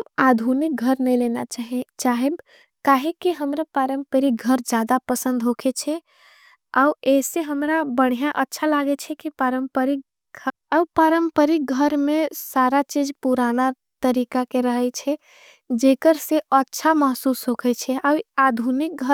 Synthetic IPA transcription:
mad̪ʱunik̚ɡʱəɾnəjlenat͡ʃaɦt͡ʃaɦeb | kaɦekiɦəmɾapaɾəmpəɾik̚ɡʱəɾd͡ʒad̪apəsə̃nd̪ɦokʰet͡ʃʰɛ | aueseɦəmɾabəɽ̤ijaʔətːʃʰalaɡɛt͡ʃʰɛkipaɾəmpəɾik̚ | ɡʱəɾəpaɾəmpəɾik̚ɡʱəɾmesaɾat͡ʃid͡ʒpuɾana | t̪əɾikakeɾəɦɛt͡ʃʰɛ | d͡ʒekəɾseətːʃʰaməɦsusɦokʰɛt͡ʃʰɛawad̪ʱunik̚ɡʱəɾ

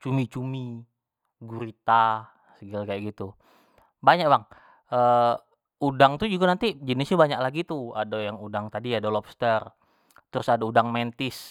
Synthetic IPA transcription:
t͡ʃumit͡ʃumi | ɡuɾit̪a | səɡalkajaʔɡit̪u | baɲak̚baŋ | ə | udaŋt̪ud͡ʒuɡanant̪id͡ʒənɪsɲabaɲaklaɡit̪uadajaŋudaŋt̪adiadalɔpst̪ər | t̪ɾʊsadaudaŋmɛnt̪ɪs

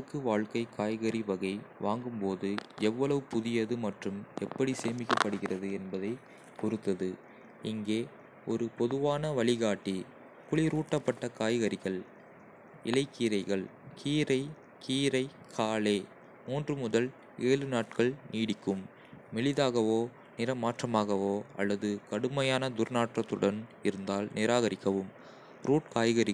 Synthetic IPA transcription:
ɯkːɯʋaːɭkɐɪkʰaːjɣɐɾiʋɐɣɐɪʋaːŋɡɯmpoːðɯɛʋːɐɭɐʋɯpʊðɪjɐðɯmɐʈrɯmɛpːɐɽiseːmɪkːɐpːɐɽɯɣɪrɐðɯɛnbɐðɐɪ | kɔɾɯt̪ːɐðɯ | ɪŋɡeː | ɔɾɯpɔðɯʋaːnɐʋɐɭɪɣaːʈːi | kʊɭɪɾuːʈːɐpːɐʈːɐkaːjɣɐɾɪɣɐɭ | ɪlɐɪkːiːɾɐɪɣɐɭkʰiːɾɐɪ | kʰiːɾɐɪ | kʰaːleː | muːndrɯmʊðɐl | ʔeːlɯnaːʈ̚kɐɭniːɽɪkːɯmː | ɛɭɪðaːɣɐʋoː | nɪɾɐmaːʈrɐmaːɣɐʋoːɐ̰lːɐðɯkɐɽɯmɐjaːnɐd̪ʊɾnaːʈrɐt̪ːɯɽɐnɪɾɯnd̪aːlnɪɾaːɣɐɾɪkːɐʋɯm | pɾuːʈ̚kaːjɣɐɾɪ

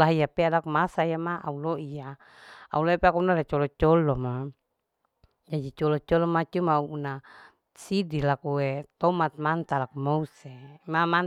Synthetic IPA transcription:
laɦijapealakumasaijamaʔa̰uloʔija | a̰uloipeakuunaɾat͡ʃɔlɔt͡ʃɔlɔma | d͡ʒadit͡ʃɔlɔt͡ʃɔlɔmat͡ʃumauːna | sidilakuwet̪ɔmat̪̚mant̪alakumousemaman

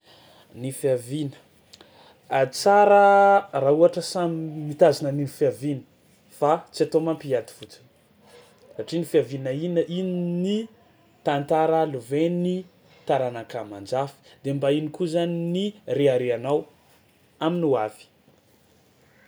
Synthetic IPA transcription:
nifiavinə̥ | at͡saɾərauaʈ͡ʂəsamiimit̪azinəninifiavinə̥ | fat͡siat̪omampiad̪i̥fut͡si̥n | saʈ͡ʂinifiavinəinəʔinini | t̪ant̪aɾaluveni | t̪aɾanakamand͡ʒafi̥d̪embainikuzaninireaɾeanaw | aminuav̥i̥

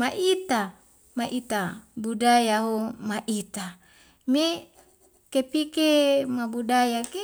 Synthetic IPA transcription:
maʔit̪a | maʔit̪abudajaɦomaʔit̪a | me | kepikemabudajake

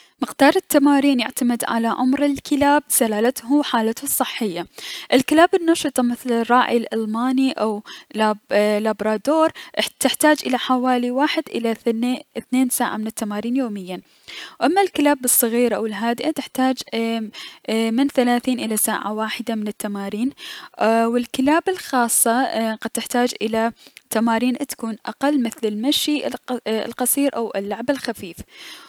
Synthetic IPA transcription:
mɪqd̪̥ɑːɾˤɪt̪ːamaːɾiːnja̰ʕt̪amɪd̪ʕa̰laʕa̰mɾɪlkɪlaːb̚salaːlat̪huħaːlat̪hsˤːɨħːɪjːaʔɪlkɪlaːbɪnːɑʃɨt̪ˤɑmɪθlɪrˤːɑːʕilʔalmaːniʔawlalabɾˤɑːd̪oːɾˤʔt̪ɪħt̪aːd͡ʒʔɪlaħawaːliwaːħɪd̪ʔɪ̰laθneːnsaːʕa̰mɪnɪt̪ːamaːɾiːnjoːmɪjːan | wʔamːalkɪlaːbɨsˤːɑɣiːɾʔawɪlɦaːd̪ɪʔat̪ɪħt̪aːd͡ʒ | mɪnθalaːθiːnʔɪlasa̰ːʕa̰waːħɪd̪amɪnɪt̪ːamaːɾiːn | wɪlkɪlaːbɪlxɑːsˤːɑqad̪̚t̪ːɪħt̪aːd͡ʒʔɪlat̪amaːɾiːnʔt̪ḁkuːnʔa̰qalːmɪθlɪlmaʃḭ | lqɑsˤiːɾʔawɪ̰lːʊʕbɪlxafiːf

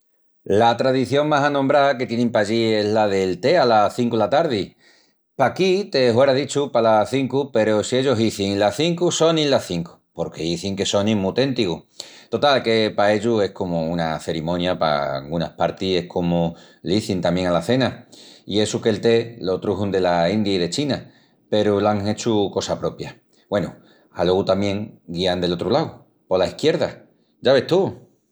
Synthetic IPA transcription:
lat̪ɾaðiθjo̞ŋmasanõmbɾake̞t̪je̞nẽmpaʎie̞zlaðe̞lt̪e̞alaθiŋkulat̪aɾð̞i | pakit̪e̞hwe̞ɾaðit͡ʃupalaθiŋkupe̞ɾosie̞ʎo̞ɦiθiŋlaθiŋkuso̞nĩlaθiŋku̥po̞ɾke̞iθiŋke̞so̞nĩmut̪e̞nt̪iku | t̪o̞t̪alke̞pae̞ʎue̞hko̞mounaθe̞ɾimõnjapa̰a̰lɣunahpaɾt̪ie̞hkʰo̞mo | liθint̪amje̞ŋalaθe̞naie̞suke̞lt̪e̞lot̪ɾuɦund̪e̞laind̪jaiðe̞t͡ʃina | pe̞ɾulaŋe̞t͡ʃuko̞sapɾo̞pja | bwe̞nu | alo̞ɣut̪amjẽ̞ŋɡiand̪e̞lo̞t̪ɾulaw | po̞laihkje̞ɾð̞a | d͡ʒaβ̞e̞ht̪u

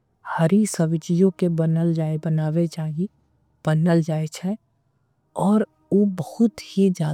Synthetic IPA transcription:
həɾisəʋɪt͡ʃijõkebənəld͡ʒaːebənaːʋet͡ʃaːɦi | b̥ənəld͡ʒaːet͡ʃʰɛ | ɔːɾ | oːbəhʊt̪hid͡ʒaː

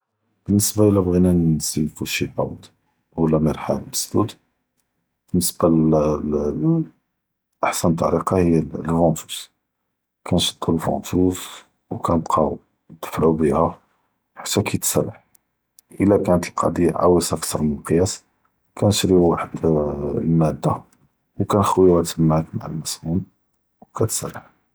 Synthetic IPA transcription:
b̥ənːəsbaʔəlːæbɣinænzilfuʃilbɑwd̪ | wəlːæməɾˤħalbəsd̪ud̪ | b̥ənːəsb̥a | ʔaħsænt̪ˤːɑ̰ɾiqɑhəjːælfɑt̪u̥s | kænʃə̥t̪ˤːulfɑ̰̃t̪us | wkænəbqʰɑ̰ | t̪ə̥fʕubihæ | ħat̪ːækʰit̪sælːaħ | ʔəlːækænət̪əlqʰɑ̰d̪iʕa̰wəsʔækt̪ʰɑɾˤmənəlqjæs | kʰænʃɾiwaħəd̪lmæd̪ːa | wkænxwiwæt̪əmːʕakma̰ʕa̰lmæsmun | wkæt̪sæ̰lːaħ

